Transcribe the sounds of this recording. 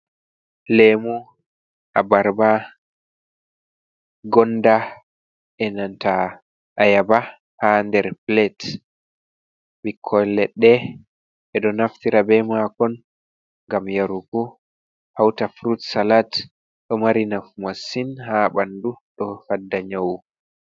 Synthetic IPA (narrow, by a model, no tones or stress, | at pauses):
lɛmu | ʔabaɾba | ɡɔnda | ɛnanta | ʔajaba | handɛɾplɛt | bikʰːɔlɛɗːɛ | ɛɗɔnaftiɾabɛmakɔn | ŋɡamjaɾukɔ | hawtafɾutsalat | ɗɔmaɾinafmasːinhabanduɗɔfadːaɲawu